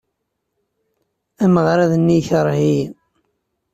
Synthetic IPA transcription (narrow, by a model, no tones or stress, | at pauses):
æməʁɾaðnːiçəɾˤhi